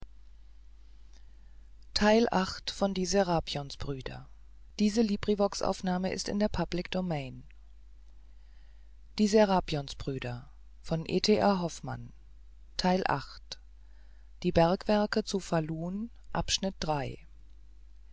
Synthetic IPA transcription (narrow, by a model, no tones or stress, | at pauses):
tʰaɪlʔaχtfɔndiːzeʁaːpjɔnsb̥ʁyːdɐ̰ | d̥iːzəliːbʁivɔksʔa̰ʊfnaːməɪ̰stɪ̰ndeːɐpʰablɪkd̥omɛɪn | d̥iːzeʁaːpjɔnsb̥ʁyːdɐ | fɔnʔḛːtʰeʔaːɦɔfma̰n | tʰaɪlʔa̰χt | d̥iːbɛɐkv̥ɛɐkət͡sufaluːn | ʔapʃnɪt̚d̥ʁaɪ